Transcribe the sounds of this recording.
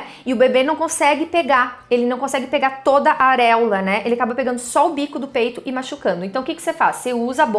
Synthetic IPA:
ɪʊbebenɐ̃w̃kõsɛɡɪpeɡaelɪnɐ̃w̃kõsɛɡɪpeɡaɾt̪od̪ɐʔaɾɛwlɐnɛelɪakabɐpeɡɐ̃nd̪ʊsɔʊbikʊd̪ʊpejt̪ʊʔɪmaʃukɐ̃nd̪ʊẽnt̪ɐ̃w̃kɪkɪ̥sefasːeuzɐabõ

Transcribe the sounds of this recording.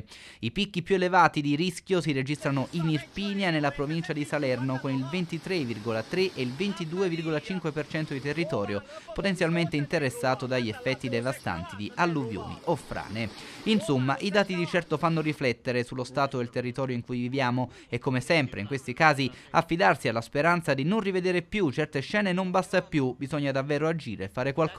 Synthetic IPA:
ipikːipjuelevaːt̪id̪iɾisk̟ʲjosired͡ʒist̪ɾanoʔinirpiːnjanelːapɾovint͡ʃad̪isalɛrnokonilvent̪it̪ɾevirɡolat̪ɾeʔeilvent̪id̪uːevirɡolat͡ʃiŋkwepert͡ʃɛnt̪od̪it̪erːit̪ɔːɾjopot̪ent̪sjalment̪eint̪eɾesːaːt̪od̪aʎːiefːɛt̪ːid̪evast̪a̰nt̪id̪iʔalːuvjo̰ːnḭʔofːɾa̰ːneinsomːaʔid̪aːt̪id̪it͡ʃɛrt̪ofanːoɾiflɛt̪ːeɾesulːost̪aːt̪oelt̪erːit̪ɔːɾjoiŋkujvivjaːmo | ekːomesɛmpɾḛiŋkwest̪ikaːziafːid̪arsialːaspeɾant̪sad̪inonrived̪eːɾepjut͡ʃɛrt̪eʃːɛːnenombast̪apjubizɔɲːad̪avːɛːɾoad͡ʒiːɾeːfːaːɾekwalk

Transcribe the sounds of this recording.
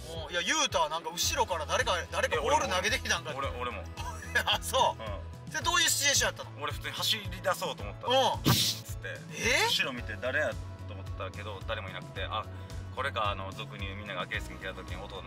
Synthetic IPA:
ojajɯ̟ːt̪aːnãŋkaɯ̟ɕiɾo̞kaɾad̪aɾe̞kad̪aɾe̞kaooɾɯ̟naɡe̞d̪e̞kʲit̪ãŋkaoɾoɾemo̰ | soːɯ̃ː | sed̪o̞ːjɯ̟ːɕi̥t͡ɕiẽɕ̬ij̪at̪ːanooɾe̞ɸɯ̥t͡sɨːɲ̟ihaɕiɾʲid̪aso̞ːt̪oːmot̪ːaɯ̃ːt͡sɨ̥t̪ːe̞̰ | eɯɕiɾo̞mʲit̪e̞d̪aɾe̞jaː | oːmot̪ːake̞d̪o̞d̪aɾe̞mo̞inakɯ̟̥t̪e̞ʔa̰ | ko̞ɾe̞ɡaːno̞zokɯ̟ɲ̟ʲɯmʲĩnːaɡaɡe̞sɨmʲik̪et̪at̪o̞kʲiɲ̟io̞t̪on

